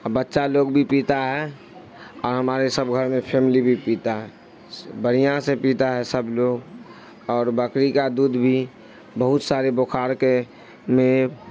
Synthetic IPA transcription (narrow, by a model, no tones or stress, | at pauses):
bətːʃaloːɡbʱipiːt̪aɦɛ | ɔːɾɦəmaːɾesəbɡʱəɾmẽpʰɛːmɪlibʱipiːt̪aɦɛː | bəɽ̤ijãsepiːt̪aɦɛsəbloːɡ | ɔːɾbəkɾikad̪uːd̪ʱbʱi | bəɦʊt̪saːɾebokʰaːɾke | mẽ